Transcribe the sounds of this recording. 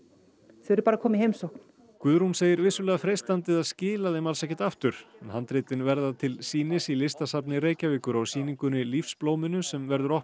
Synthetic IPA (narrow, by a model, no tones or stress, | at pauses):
θɾpaɾakʰɔːmɪhejmsowkn̥ | kvʏðɾunseːjɪɾvɪsːʏlɛːɣafɾejst̪ant̪ɪðaðscɪːlaθejmalsɛhcːɪ̥t̪aft̪ʏɾ̥ɛnhant̪ɾɪːt̪ɪnvɛɾðat̪ʰɪlsiːnɪsilɪst̪asapnɪɾeːjcavɪːkʏɾawsiːniŋkʏnɪlifsploːwmɪnʏsɛmvɛɾðʏɾɔh